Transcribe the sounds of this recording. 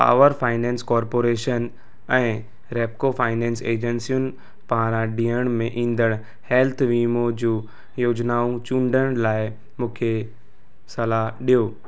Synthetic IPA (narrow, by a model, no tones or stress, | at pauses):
pa̰ːʋəɾfaːɪnɛ̃ːnskɔːɾpoːɾeːʃən | ɛ̃ː | ɾeːp̚kofaːɪnɛ̃ːnseːd͡ʑənsijunɪ̆ | pãːɾãɖĩːəɽ̃mẽʔĩːnd̪əɽ̃ | hɛːlt̪ʰʋiːmod͡ʑuː | joːd͡ʑnaːũt͡ɕũːɳɖəɽ̃laːɪ | mũːkʰe | sɐlaɦɗijoː